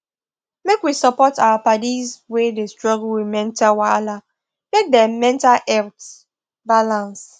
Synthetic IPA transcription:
mekwisɔpɔtawapadizwedestɹɔɡlwimɛ̃ntawala | mek̚dɛmɛ̃ntalʔɛlt | balãns

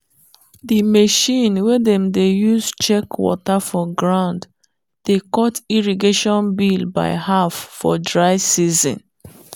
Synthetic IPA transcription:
dimeʃĩnwedɛ̃mdejuzt͡ʃɛkwɔ̰tafɔɡɹãʊ̃nd | dekɔtiɹiɡeʃɔ̃nbilba̰ɪhafːɔ̰dɹaɪsizɔ̰̃n

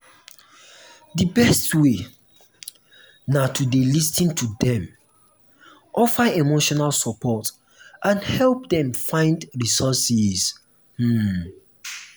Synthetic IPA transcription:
dibɛstwe | natʰudelistĩntʰudɛ̃m | ʔɔfəemoʃɔnalsɔpʰɔt | ʔãnhɛlp̚dɛ̃mfãɪ̃ndɹisɔsiz̥ | h̩

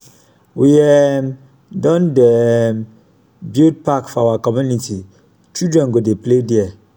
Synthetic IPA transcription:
wiɛm | dɔ̃ndɛm | bild̚pakfɔawakɔmjuniti | t͡ʃidɹɛ̃nɡodeplediɛ

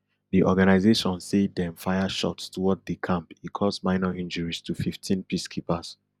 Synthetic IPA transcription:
diʔɔɡanaɪzeʃɔ̃nsedɛ̃mfaɪaʃɔ̰tstʰuwɔt̚dikʰãmpikʰɔsmãɪnaʔĩnd͡ʒəɹistʰufiftʰĩnpiskʰipas

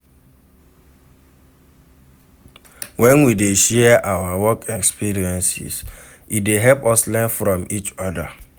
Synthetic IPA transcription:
wʔɛ̃nwideʃɛʔawawɔkʰɛkspiɾiɛ̃nsḭs | ideɦɛlpɔslɛ̃fɾɔ̃mit͡ʃɔda̰

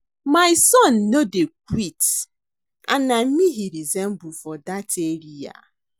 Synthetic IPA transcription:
maɪsɔnːodek̚it | a̰nam̩miɦiɾizɛmbufɔdatʰeɾia̰

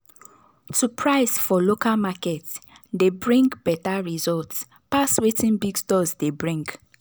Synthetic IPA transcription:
tupʰɹaɪsfɔlokalmakɛtdebɹĩŋɡbɛtaɹizɔlts | paswetĩnbiɡstɔzdebɹĩŋɡ

